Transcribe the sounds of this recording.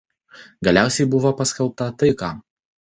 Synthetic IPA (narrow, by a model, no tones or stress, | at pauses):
ɡɐlʲæˑʊsʲɛɪbʊʋoːpɐsʲkʲɛlˠp̚t̪ɐt̪ɐɪkɑː